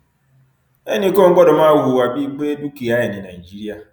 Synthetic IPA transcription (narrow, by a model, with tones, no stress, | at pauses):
e˦ni˨˦ko˦ŋ̩˦ɡ͡bɔ˦dʊ˨m̩˦a˦wu˨wa˨bi˦k͡pe˦du˦ki˨a˦ɪ˨nɪ˨na˨i˨d͡ʒi˦ɾi˦a˦